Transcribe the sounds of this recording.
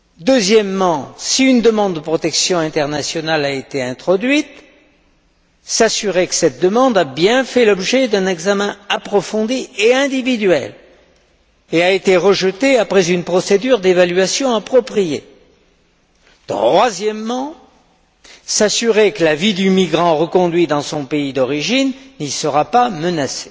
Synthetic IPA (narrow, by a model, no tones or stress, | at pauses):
d̪əzjɛmːɑ̃siynd̪əmɑ̃d̪ːəpχɔt̪ɛksjɔ̃ɛ̃t̪ɛʁnasjɔnalaet̪eɛ̃t̪χɔd̪ɥit̪ | sasyʁɛkə̥sɛt̪̚d̪əmɑ̃d̪abjɛ̃fɛlɔbʒɛd̪ɛ̃nɛɡzamɛ̃apχɔfɔ̃d̪ieɛ̃d̪ivid̪ɥɛ̰l | eaet̪eʁəʒət̪eapχɛzynpχɔsed̪yʁd̪evalɥasjɔ̃apχɔpχije | t̪χwazjɛmːɑ̃ | sasyʁekəlavid̪ymiɡʁɑ̃ʁəkɔ̃d̪ɥid̪ɑ̃sɔ̃peid̪ɔʁiʒinːisəʁapamənase̥